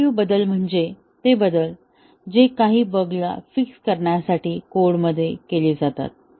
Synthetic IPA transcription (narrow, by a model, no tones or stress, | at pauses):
juːbəd̪əlm̤əɳd͡ze | t̪ebəd̪əl | d͡ʑekaɦiːbəɡla̰fikskəɾɳjasaʈiːkoɽməd̪ʱːjekeliːd͡zat̪a̰t̪̚